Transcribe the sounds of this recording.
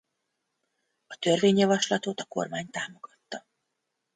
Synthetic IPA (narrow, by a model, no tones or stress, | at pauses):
ɒt̪ø̞rveːɲjɒvɒʃlɒt̪ot̪ɒko̞̰rmaːɲt̪aːmo̞ɡ̥ɒt̪ːɒ